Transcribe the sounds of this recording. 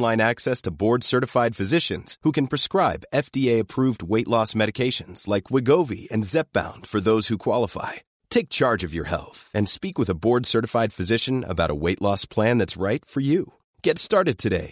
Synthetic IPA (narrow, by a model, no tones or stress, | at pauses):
lãɪ̃næksɛstʰəbɔɹdsɜ˞ɾɨfaɪd̥fɨzɪʃɨ̃nz̥hukɨ̃n̩pʰɹ̥ɨskɹaɪbɛfd̥ieɪɨpʰɹ̥uvd̚weɪʔˡlɔsmɛɾɨkʰeɪʃɨ̃nz̥laɪkʰwɨɡoʊvḭɨ̰̃nzɛp̚b̥ã̰ʊ̃nd̥fə˞ðoʊz̥hukʰw̥ɑlˠəfa̰ɪ | tʰeɪk̚t͡ʃʰɑɹd͡ʒʌvjə̰˞hɛ̰lˠθɨ̃nspikwəðəbɔɹdsɜ˞ɾɨfaɪd̥fɨzɪʃɨ̃nə̰baʊɾə̰weɪʔˡlɔspʰl̥æ̃nðɨtsɹaɪtfə˞ju | ɡ̥ɛtstɑɹɾɨd̚tʰɨɾḛɪ